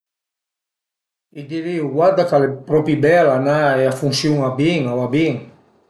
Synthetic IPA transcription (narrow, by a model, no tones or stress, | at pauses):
id̪iɾiuɡwad̪akalepɾɔpibɛlanaɛafuŋsjuŋabiŋoabiŋ